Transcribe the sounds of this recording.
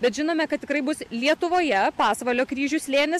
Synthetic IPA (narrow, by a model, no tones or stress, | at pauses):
bʲɛt̪ʒʲɪnoːmʲɛkɐt̪tʲɪkɾɐɪbʊslʲiɛt̪ʊʋoːjɛpɑːsʋɐlʲoːkɾʲiːʒʲʊsʲlʲeːnʲɪs